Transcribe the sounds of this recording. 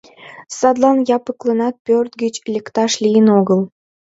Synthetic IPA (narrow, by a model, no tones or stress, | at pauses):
sɑd̪lˠɑnjɑpɯklˠənɑt̪̚pʲørt̪ɡət͡ɕlʲekt̪ɑʃlʲijənoɣəl